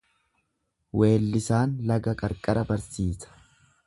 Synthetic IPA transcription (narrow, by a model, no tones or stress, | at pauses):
we̞ːlːɪsaːnlɐɡɐkʼɐɾkʼɐɾɐbɐɾsiːsɐ̥